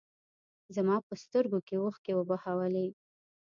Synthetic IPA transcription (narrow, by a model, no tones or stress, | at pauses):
zamɑpəst̪əɾɡokewoxkewəbahawəle